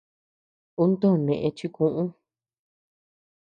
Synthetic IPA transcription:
u˦nt̪õ˦˨nẽ˨ʔẽ˧t͡ʃi˧kũ˦ʔũ˦

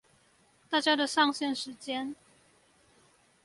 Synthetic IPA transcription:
t̪a˥˩t͡ɕja˦˥d̪ə˨ʂɑ˥˧ŋɕjɛ˥˨nʂɻ̩˧˥t͡ɕjɛ˥n

